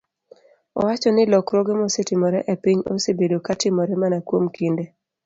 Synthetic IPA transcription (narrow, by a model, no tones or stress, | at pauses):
ɔ̰wat͡ʃɔnɪlɔkɾoɡemɔsetɪmɔɾɛʔepiɲo̰sebedokatɪmɔɾɛmanakwomkinde